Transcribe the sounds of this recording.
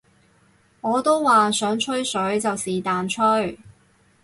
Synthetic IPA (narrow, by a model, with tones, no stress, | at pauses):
ŋɔː˨˧t̪o˥wwaː˨sœː˨˥ŋt͡ʃʰɵ˥ɥsɵ˨˥ɥt͡sɐ˨wsiː˨t̪aː˨nt͡ʃʰɵ˥ɥ